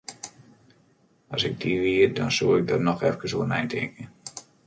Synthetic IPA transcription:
ɔsɪɡ̚diʋiərdɔnsuːɪɡ̚dɔtnɔxɛfkəsoːənɛjntʰɪ̰kə

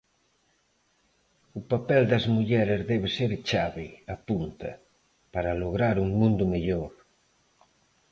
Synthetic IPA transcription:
upapɛld̪ɐzmuʎɛɾezðɛβeseɾt͡ʃaβɪapunt̪ɐ̰ | paɾaloɣɾaɾuŋmũnd̪ʊmeʎoɾ

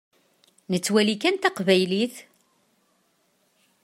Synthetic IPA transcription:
nət͡sːwælikænt̪ɑqvæjliθ

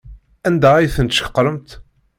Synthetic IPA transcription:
ænd̪æijθənt̪ʃəə̥qːɾˤəmt̪

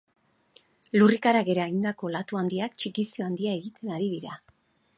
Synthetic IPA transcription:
lurikaɾaɣe̞ɾaind̪ako̞lat̪uand̪iakt͡ʃikisioand̪iae̞ɣit̪e̞naɾið̞iɾa

